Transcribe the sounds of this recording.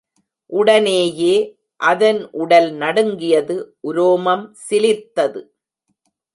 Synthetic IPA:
ʔʊɽɐneːjeː | ʔɐðɐnʔʊɽɐlnɐɽɯŋɡɪjɐðɯʔʊɾoːmɐmsɪlɪt̪ːɐðɯ

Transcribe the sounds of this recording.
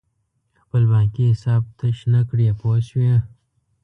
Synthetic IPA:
xpəlbãːkiɪsaːb̚t̪əʃnakɽijapoːswã

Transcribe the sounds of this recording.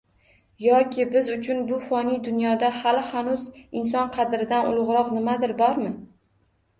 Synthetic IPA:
jɒkʲʰɪbɪzʊt͡ʃʰʊnbʊfɒnijd̪ʊnjɒd̪ahalɪhanʊzɪns̬ɒnqʰɑd̪ɾɪd̪anʊ̰lˠʊʁɾɒqnɪmad̪ɪɾbɒɾmɪ

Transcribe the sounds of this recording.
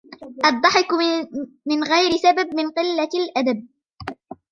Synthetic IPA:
ʔɑd̪ˤːɑħɪk | mɪnɣajɾɪsabab̚mɪnqɨlːalʔad̪ab̚

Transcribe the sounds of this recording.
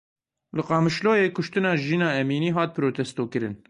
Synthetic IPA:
lɨqɑːmɨʃloːjeːkʊʃt̪ɨnɑːʒiːnɑːɛmiːniːɦɑːt̪̚pʰɨɾoːt̪ʰɛst̪oːkɨɾɨn

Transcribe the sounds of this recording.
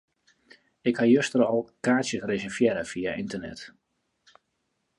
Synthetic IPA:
ɪkhajøstəɾɔlˠkaːsjəsresɛrfjɛɾəfiaʔintənɛ̰t

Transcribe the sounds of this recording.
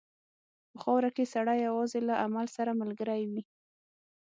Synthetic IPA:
pəxɑwɾakesaɽajːawɑzelaʔamalsaɾamalɡəɾajwi

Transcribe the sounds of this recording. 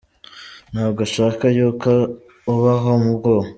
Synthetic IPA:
n̥haːβɡoʃaːkajuːko | uβaɦomubɡoːho

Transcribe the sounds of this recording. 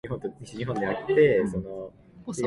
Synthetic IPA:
iɦõnt̪oɲiɕiɲiɦõ̞nd̪e̞jat̪ːe̞so̞no

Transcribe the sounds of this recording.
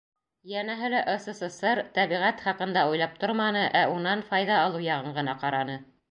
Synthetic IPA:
jænæɦɘ̆læʔŏsɤ̆sɤsɤɾt̪æβiʁæt̪χɑqɤ̆nd̪ɑujlˠɑp̚t̪oɾmɑnɤʔæunɑnfɑjðɑːlˠɤwjɑʁɤɴɢɤ̆nɑqɑɾɑnɤ

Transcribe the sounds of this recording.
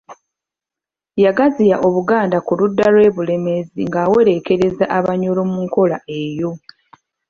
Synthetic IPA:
jaɡazijaʔo̞βuɡaːndakuludːalwe̞ːβule̞me̞ziŋɡaːwe̞ɾe̞ke̞ɾe̞zaʔaβaɲolomuŋko̞laʔe̞jo̞

